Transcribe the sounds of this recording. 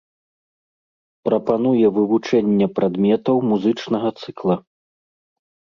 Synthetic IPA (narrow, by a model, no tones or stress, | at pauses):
pɾɐpanujɛvɨvut͡ʂɛnʲːɐpɾʔad̪mʲɛt̪ɐwmuzɨt͡ʂnɐɣɐt̪sɨklˠɐ